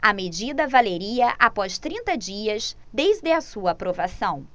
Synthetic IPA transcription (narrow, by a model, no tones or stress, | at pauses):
ɐmed͡ʒid̪ɐvaleɾiɐʔapɔʃt̪ɾĩnt̪ɐd͡ʒiɐz | d̪ejzd̪ɪɐsuɐːpɾovasɐ̃w̃